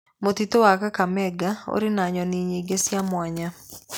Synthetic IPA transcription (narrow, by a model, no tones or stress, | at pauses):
mot̪it̪owakakamɛɡao̰ɾɪnaɲɔniɲeɡesjamwaɲa